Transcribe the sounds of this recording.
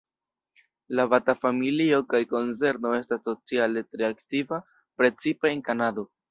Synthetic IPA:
labatafamilio̞kajko̞nse̞ɾno̞e̞staso̞t͡siale̞tɾe̞aktiva | pɾe̞t͡sipe̞enkanado̞

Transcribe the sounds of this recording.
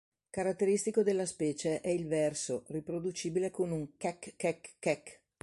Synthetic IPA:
kaɾat̪ːeɾist̪ikod̪elːaspɛːt͡ʃeʔɛilvɛrsoripɾod̪ut͡ʃiːbilekonuŋkɛkːɛkːɛkː

